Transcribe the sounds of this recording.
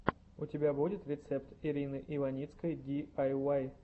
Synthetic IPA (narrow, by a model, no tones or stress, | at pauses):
ʊtʲɪbʲabudʲɪt̪ɾʲɪt̪sɛpt̪ɪɾʲinɨʔɪvɐnʲit̪skəjd̪ʲiajaj